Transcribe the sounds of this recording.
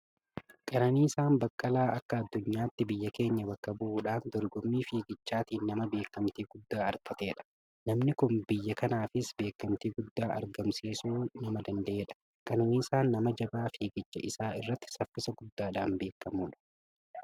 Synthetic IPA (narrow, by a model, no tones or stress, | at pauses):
kʼɐnɐniːɪsaːnbɐkʼːɐlaːʔɐkːɐɐd̪ːʊɲːaːt̪ːɪbɪjːɐke̞ːɲːɐbɐkːɐbʊʔuːᶑaːnd̪ɔɾɡɔmːiːfeːɡɪt͡ʃːaːt̪iːnːɐmɐbe̞ːkːɐmt̪iːɡ̥ʊd̪ːaːɐɾt̪ɐt̪e̞ːᶑɐ̥ | nɐmnɪkʊnbɪjːɐkɐnaːfɪsbe̞ːkːɐmt̪iːɡʊd̪ːaːʔɐ̰ɾɡɐmsiːsuːnɐmɐd̪ɐnd̪ɐʔeːᶑɐ̥ | kʼɐnɐniːsaːnːɐmɐd͡ʒɐbaːfeːɡɪt͡ʃːɐ̰ʔɪsaːɪ̰rːɐt̪ːɪ̥sɐfːɪsɐɡʊd̪ːaːᶑaːnbe̞ːkːɐmuːᶑɐ̥